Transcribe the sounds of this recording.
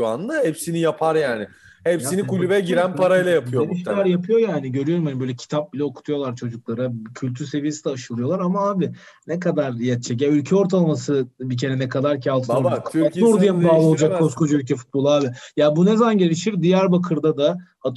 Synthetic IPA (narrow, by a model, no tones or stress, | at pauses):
and̪ahɛpsinijapʰaɾjaːnɪ | hɛpsinikʰulʲuvɛɟiɾænpaɾajlˠajapʰɯjoeniʃaɾjapʰɯjo̞jaːniɟø̞ɾyjo̞ɾumhanibøjlʲɛcʰi̥t̪ʰap̚bilʲɛokʰu̥t̪ʰujo̞lˠaɾt͡ʃʰo̞d͡ʒuklˠaɾacʰylʲt̪ʰyɾse̞vije̞sid̪ɛːʃɯlˠɯjo̞lˠaɾamaaːbɪ | nekad̪aɾjat̪̚t͡ʃʰɛc̬jaylʲcʰɛo̞ɾt̪ʰalˠamasɯbic̬ʰe̞ɾɛnekʰad̪aɾcʰalˠt̪ʰɯoɾuɾd̪ijambaːlˠɯolˠd͡ʒakkkʰːoskʰod͡ʒuylʲcʰɛfu̥t̪̚bo̞lˠaːbijaːbunezamanɟe̞lʲiʃiɾd̪ijæɾbakʰɯɾd̪ad̪a | a